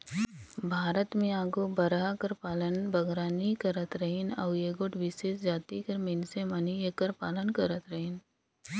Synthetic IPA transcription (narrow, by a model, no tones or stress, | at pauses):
bʱaːɾət̪mẽaːɡobɐɾakəɾpaːlənbɐɡɾaːnikɐɾət̪ɾəɦɪnɐ̰ːjeːɡoʈʋɪseːsd͡ʒaːt̪ikəɾmensemɐnieːkəɾpaːlənkɐɾət̪ɾəɦɪn